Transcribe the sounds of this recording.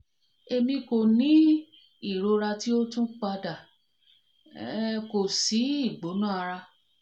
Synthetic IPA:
e˧mĩ˧ko˨nĩ˨˦ | i˦˨ɾo˧ɾa˧ti˦o˦tũ˦k͡pa˧da˨ | ko˨si˨˦i˦˨ɡ͡bo˨˦nũ˦˨a˧ɾa˧

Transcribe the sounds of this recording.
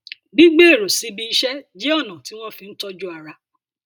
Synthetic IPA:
ɡ͡bi˦ɡ͡be˦e˦˨ɾo˨si˨˧bi˦i˦ʃɛ˦d͡ʒe˦ɔ˦˨nã˨ti˦w̃ɔ̃˦fĩ˧n̩˦tɔ˦d͡ʒu˦a˧˨ɾa˧

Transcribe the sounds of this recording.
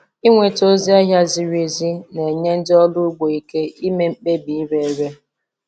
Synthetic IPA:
i˦ŋʷe˨to˦zi˦a˦ɦja˦zi˨ɾi˨zi˦ne˨ɲe˦n̩˦dɪ˦ɔ˦lʊ˦ɡ͡bo˨i˦ke˦i˦me˦m̩˦˨k͡pe˦bi˨i˦ɾe˨˦ɾe˦

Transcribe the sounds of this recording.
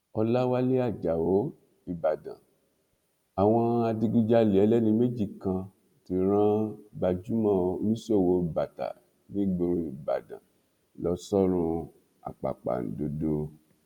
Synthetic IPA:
ɔ˧la˦wa˦le˦a˦˨d͡ʒa˨o˨˦ | i˨ba˨dã̰˨ | a˨w̃ɔ̃˧a˧di˧ɡu˧d͡ʒa˧li˨ɛ˨˦lɛ˦nĩ˧me˦d͡ʒi˦˨kã˧ | ti˨˧ɾ̃ã˦ba˧d͡ʒu˦mã˦˨o˧˦nĩ˦so˦˨wo˨˧˨ba˨ta̰˨˦ | bĩ˦ɡ͡bo˧ɾo˧i˨ba̰˨dã̰˨ | lɔ˨˦sɔ˦ɾ̃ũ˧ | a̰˨k͡pa̰˨k͡pa̰˨n̩˨do˧do˧

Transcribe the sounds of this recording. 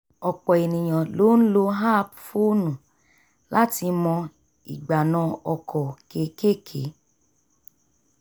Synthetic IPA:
ɔ˨k͡pɔ˨e˨nĩ˨ɲɔ̃˨lo˨˦n̩˦lo˧ɦa˦˨pfo˦nũ˨ | la˦ti˧mɔ̃˧ | ḭ˨ɡ͡ba˨nɔ̃˧˦ɔ˧kʰɔ˨ke˨˦ke˦˨kʰe˨˦

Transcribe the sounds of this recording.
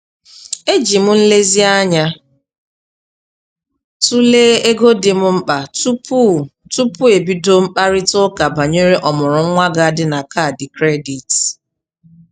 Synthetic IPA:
e˦d͡ʒi˨m̩˦n̩˦le˦zi˦a˦ɲa˦ | tu˦leː˦e˦ɡo˦dɪ˨mʊ˦m̩˦k͡pa˨tptu˦pʊ˦e˨bi˦do˦m̩˦k͡pa˦ɾɪ˦tʊ˦ka˨ba˨ɲo˦ɾe˦ʔɔ˨mʊ˨ɾʊ˨ŋ̩˦ŋʷa˦ɡa˨a˨dɪ˦na˨ka˦˨dɪ˨kɾe˦di˨t

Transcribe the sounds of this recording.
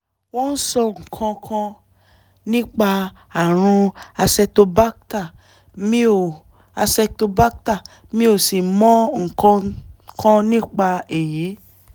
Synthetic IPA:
wɔ̃˦n̩˦sɔ˧ŋ̩˨kʰɔ̃˧kʰã˧ | nĩ˦k͡pa˧ | a˨ɾ̃ũ˧a˧sɛ˧to˧ba˦kta˦˨ | mĩ˦o˨ | a˧sɛ˧to˧ba˦k̚ta˦˨ | mĩ˦o˦˨si˨mɔ̃˨˦ŋ̩˨kɔ̃˧kã˧nĩ˦k͡pa˧e˨ji˨˦

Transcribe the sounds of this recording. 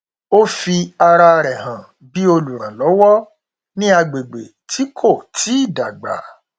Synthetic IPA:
o˦fi˧a˧ɾa˧ɾɛ˨ɦã˨ | bi˦o˧lu˨ɾ̃ã˨lɔ˨˦wɔ˦ | nĩ˦a˧ɡ͡be˨ɡ͡be˨ | tʰi˨˦kʰo˦˨tʰi˨˦i˦˨da˨ɡ͡ba̰˨˦

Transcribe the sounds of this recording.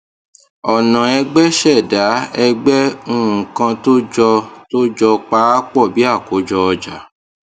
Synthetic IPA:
ɔ˨nã˨ɛ˧ɡ͡bɛ˦ʃɛ˦˨da˨˦ɛ˧ɡ͡bɛ˦ũ˦˨kã˧to˦d͡ʒɔ˧to˦d͡ʒɔ˧k͡pa˧˦k͡pɔ˦˨bi˨˦a˦˨ko˨˦d͡ʒɔ˧ɔ˧d͡ʒa̰˨˦

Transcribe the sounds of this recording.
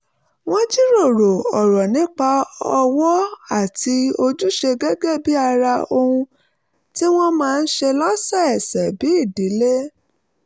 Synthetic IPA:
w̃ɔ̃˦d͡ʒi˦ɾo˦˨ɾo˨ɔ˨ɾɔ˨nĩ˨˦k͡pa˧ɔ˧wɔ˦a˦˨ti˧o˧d͡ʒu˦ʃe˧ɡɛ˦ɡɛ˦˨bi˦a˧ɾa˧o˧hũ˧ | ti˦w̃ɔ̃˦mãː˦˧n̩˦ʃe˧lɔ˦sa˦˨ɛ˨sɛ˨bi˨˦i˦˨di˨˦le˦

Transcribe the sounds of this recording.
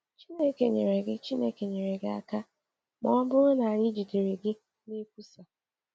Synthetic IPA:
t͡ʃi˦ne˦ke˨ɲe˨ɾe˨ɡɪ˦t͡ʃi˦ne˦ke˨ɲe˨ɾe˨ɡɪ˦a̰˦ka˦ | mɔ˦bʊ˦o˦na˨a˨ɲɪ˦d͡ʒi˨de˨ɾe˨ɡɪ˦ | ni˦kʷu˦sa˨

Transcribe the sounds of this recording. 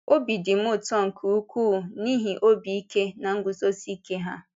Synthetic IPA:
o˦bi˨dɪ˨m̩˦ʊ˦˨tɔ˦ŋ̩˨kʰu˨u˦kʷuː˦˨ni˦ɦi˨ʔo˦bi˨i˦ke˦na˨ŋ̩˦ɡʊ˨so˦si˦ke˦ɦa˦

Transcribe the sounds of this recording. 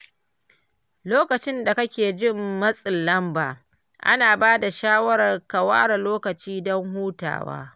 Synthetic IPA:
loː˦kɐ˨t͡ʃɪ˦nda˨kɐ˦kʲeː˨d͡ʒɪ˦mːɐ˦sʼɪ˨lːɐ˦mba̰ː˨ | ʔa̰˦naː˨baː˦da˨ʃaː˦wɐ˦ɾɐ˨rkɐ˨waː˦ɽa˨loː˦kɐ˨t͡ʃiː˦dɔ˦ŋɦuː˦ta̰ː˨wa̰ː˦

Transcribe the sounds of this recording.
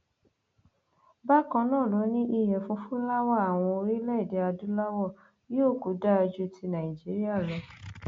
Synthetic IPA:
ba˦kã˧nãː˦˨lo˨˦nĩ˦ʔi˧jɛ˨fũ˧˦fũ˦la˦wɔ˦˨a˨w̃ɔ̃˧o˧ɾi˦lɛ˦˨de˨˧a˧du˦la˦wɔ˦˨ | i˦o˦˨ku˨˦da˦˧d͡ʒu˦ti˧nã˨ĩ˨d͡ʒi˨˦ɾi˦a˦˨lɛ˨

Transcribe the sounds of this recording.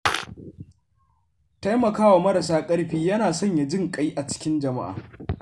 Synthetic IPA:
ta˦jmɐ˨kaː˦wa˨mɐ˦ɾɐ˨saː˦kʼɐ˦ɽɸiː˦jɐ˦naː˨sɔ˦˨ɲja˨d͡ʒɪ˦˨ŋkʼa˦jʔa˨t͡ʃɪ̥˦kʲɪ˦nd͡ʒɐ˨ma̰˦ʔa̰ː˨

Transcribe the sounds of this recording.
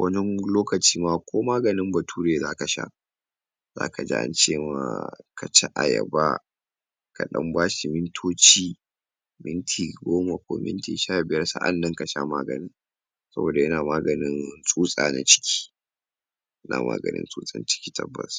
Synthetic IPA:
wʔɐ˦d͡ʒɛ˦ŋloː˦kɐ˨t͡ʃiː˦maː˦˨kʷoː˦maː˦ɡɐ˨nɪ˦mbɐ˨tʰuː˦ɾeː˨zaː˦ka˨ʃa̰˦ | za̰ː˦ka˨d͡ʒḭ˦ʔa̰˦nt͡ʃeː˦˨ma̰ː˨ka˨t͡ʃa˦ʔa˨jɐ̰˨ba˦ | ka˨ɗɐ˦mbaː˦ʃi˨mɪ˦ntʰoː˦t͡ʃiː˦ | mɪ˦ntʰiː˨ɡʷoː˦ma˨kʷo̰˦mɪ̰˦ntḭ˨ʃaː˦˨bɪ˨jɐ˦rsa̰˦ʔa˨nːɐ˦ŋka˨ʃa̰˦maː˦ɡɐ̰˨nɪ˦ŋ | sɐ˦boː˨da˨jɐ˦naː˨maː˦ɡɐ˨nɪ˦nsʼuː˦sʼa̰ː˨na̰˨t͡ʃɪ̥˦kʲʰi̥ː˦ | jɐ˦nʔa̰ː˨mʔa̰ː˦ɡɐ̰˨nɪ̰˦nsʼuː˦sʼɐ̰˨nt͡ʃɪ̥˦kʲiː˦tʰɐ˦bːɐ̰˨s

